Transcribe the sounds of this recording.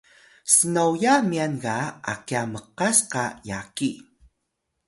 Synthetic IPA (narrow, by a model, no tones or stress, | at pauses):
sənawjamianɡaa̰kiaməqasqajaki